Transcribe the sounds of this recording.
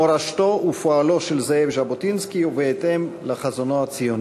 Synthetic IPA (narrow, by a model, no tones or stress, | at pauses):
oɾaʃtoufoaloʃelzeevʒabot̪inskiuveet̪emlaχazonohat͡sijon